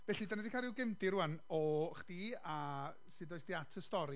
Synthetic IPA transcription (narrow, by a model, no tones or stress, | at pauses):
vɛɬidanɛdikʰaɾɪwɡɪmdiɾuanɔχd̥ia | sɨdɔjsd̥iatʰəstɔɾi